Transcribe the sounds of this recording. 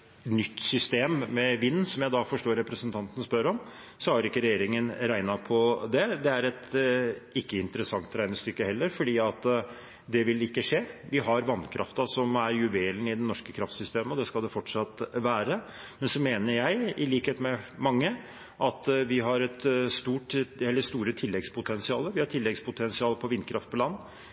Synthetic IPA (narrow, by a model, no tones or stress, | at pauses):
nʏt̪ːsʏst̪eːmːɛʋɪnːsɔmjæɪd̪ɑfɔʂʈoːɾɾɛpɾəsənt̪ʰɑnt̪ənspœɾɔm | sɔhɑɾɪkːəɾɛjeːɾɪŋənɾæɪnɑpʰɔd̪ɛd̪ɛæɾɛt̪ | ɪkːəɪnt̪əɾəsɑŋt̪ɾæɪnəst̪ʏkːəhɛlːəɾfɔɖiːɑt̪ | d̪ɛʋɪlɪkːəʂeːʋɪɦɑɾʋɑnkʰɾʔɑ̰ft̪ɑsɔmæɾjʉʋeːlnəɪd̪ɛnːɔʂkəkʰɾɑft̪sʏst̪eːməɔd̪ɛskɑld̪ɛfɔʈʂɑt̪ʋæːɾəmɛnsɔmeːnəɾjæɪɪliːkheːt̪mɛmɑŋːə | ʔɑt̪ʋɪɦɑɾɛt̪st̪uːʈɛlːəst̪uːɾət̪ʰɪlːɛɡspʰʊt̪ʰɛnsɪɑːləʋɪhɑʈʰɪlːɛɡspʰʊt̪ʰɛnsɪɑːlpʰɔʋɪnːkʰɾɑft̪pʰɔlɑnː